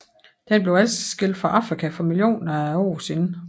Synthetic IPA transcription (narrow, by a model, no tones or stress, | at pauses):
d̥enb̥le̝ʊælt͡sʰi̥sɡ̥el̰d̥fɑ̈ʔɑ̈fʁikʰæfɒ̽miljo̝̰ːnɐæɒ̰ːsenə